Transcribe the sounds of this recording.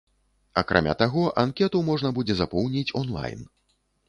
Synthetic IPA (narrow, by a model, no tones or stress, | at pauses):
a̰kɾʔa̰mʲa̰t̪aɣɔʔankʲɛt̪umɔʐnɐbud͡zʲɛzapɔwnʲit͡sʲɔnlˠa̰jn